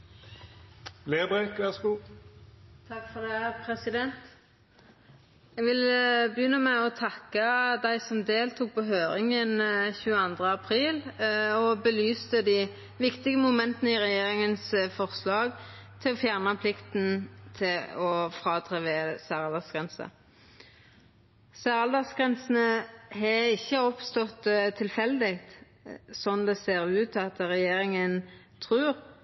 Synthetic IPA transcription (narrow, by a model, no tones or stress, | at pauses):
leːbʁɛkʋæʁsku | t̪ʰɑkfɔʁd̪ɛæpʰɾɛsɪd̪ɛnt̪ | ɛɡʋɪlbəjʏnːəmæɔt̪ʰɑkːəd̪æɪsɔmd̪eːlt̪ʰuːk̚pʰɔɦøːɾɪŋənçʉːəɑnd̪ʁəɑpʰɾiːlɔbəlyːst̪əd̪i | ʋɪkt̪ɪɡəmʊmɛnt̪ənəɪʁɛjeːʁɪŋənsfɔʁslɑːɡ | t̪ʰɪlɔfjæʁnɑpʰlɪkt̪n̩t̪ʰɪɔfʁɑːd̪ʁɛʋeːsæːʁɑld̪ɑsɡ̥ʁɛnsə̰ | sæːʁɑld̪ɑsɡ̥ʁɛnsn̩əɦɛɪçːəɔpst̪ɔt̪t̪ʰːɪlfɛld̪ɪkt̪ | sɔnd̪ɛseːɾʉːt̪ɑt̪ʁɛjeːɾɪŋən | t̪ʰʁʉːʁ